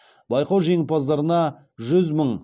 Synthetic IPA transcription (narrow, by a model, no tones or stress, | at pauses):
bɑjqowʒeŋɪpɑzd̪ɑɾənɑ | ʒʏzməɴ